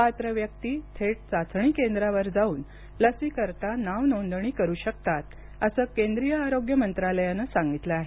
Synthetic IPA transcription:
pat̪ɾəʋjək̚t̪iːt̪ʰeʈ̚t͡sat͡sɳ̃iːkend̪ɾaʋəɾd͡zauːn | ləsiːkəɾt̪anaʋnond̪ɳ̃iːkəɾuːɕək̚t̪at̪ | əsəːkend̪ɾijəaɾoɡjəmənt̪ɾaləjanasaŋɡit̪ləaɦe

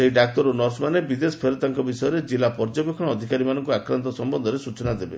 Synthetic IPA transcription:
seiɖak̚t̪ɔɾunɔɾsmanebid̪esɔ̥pʰeɾɔt̪aŋkɔbisɔjɔɾed͡ʒilapɔɾd͡ʒɔbekʰɔɽ̃ɔːd̪ʱikaɾimanɔŋkuakɾant̪ɔsɔmbɔnd̪ʱɔɾesut͡ʃɔnad̪ebe

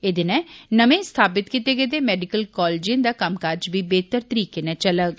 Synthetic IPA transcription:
eːd̪ɪnɛ̃ːnəmẽːst̪ʰaːpɪt̪kit̪eːɡeːd̪eːmɛːɖɪkəlkɔːlːd͡ʒiə̃nd̪aːkəmkaɾd͡ʒbiːbeːt̪əɾt̪əɾiːkeːnɛːt͡ʃələɡ

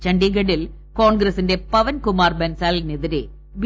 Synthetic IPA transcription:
t͡ʃɐɳɖiɡɐɽɪl | koːnɡɾɐsɪndepɐʋɐnkʊmaːrbɐnsaːlniðɐɾḛ | ʋ

